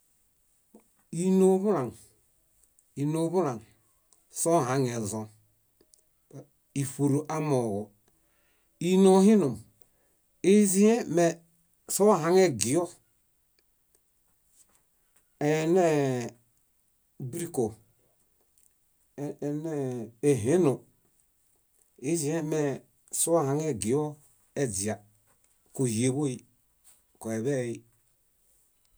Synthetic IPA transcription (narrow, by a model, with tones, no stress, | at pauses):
i˨no˨˦βu˦la˨ŋ | i˨no˨˦βu˦ɾa˨ŋ | so˦˨ɦa˨ŋe˨zo˦˨ | i˨fo˨ɾo˨ʔa˦mo˨ɣo˨ | i˦no˨˦hi˦nu˨m | e˦zi˦e˦me˨ | so˦ɦa˨˦ŋe˦ɡi˨o˦ | e˨ne˦ | bɾi˦ko˨ | ne˦e˨ɦe˦no˨ | i˦zi˦e˦me˨ | so˦wa˦˨a˨ŋe˦ɡi˨jo˦ | e˨d͡zi˨a˨ | ko˨hi˨e˨bo˦i˦ | ko˨e˨βe˦˨i˦